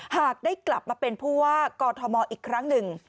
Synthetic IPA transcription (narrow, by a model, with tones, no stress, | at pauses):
haː˨˩k̚daː˥˩jkla˨˩p̚maː˧pe˧npʰuː˥˩waː˥˩kɔː˧t̪ʰɔ˧mɔː˧ʔiː˨˩kʰɾa˦˥ŋnɯ˨˩ŋ